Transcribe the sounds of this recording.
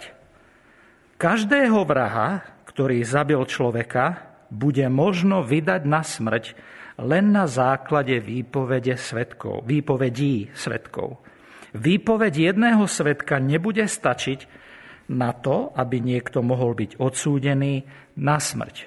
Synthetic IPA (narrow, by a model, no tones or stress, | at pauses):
kaʒd̪ɛːɦɔʋɾaɦa̰kt̪ɔɾiːzabilt͡ʃlɔʋɛka | buɟɛmɔʒnɔʋid̪aɟnasmr̩clɛnːazaːklaɟɛʋiːpɔʋɛɟɛsʋɛt̪kɔ̰ʋiːpɔʋɛɟiːsʋɛ̰t̪kɔ̰ʊ | ʋiːpɔʋɛɟjɛd̪nɛːɦɔsʋɛt̪kaɲɛbuɟɛst̪at͡ʃiɟ | nat̪ɔabiɲɪɛkt̪ɔmɔɦɔlbiɟɔt̪suːɟɛniː | nasmr̩c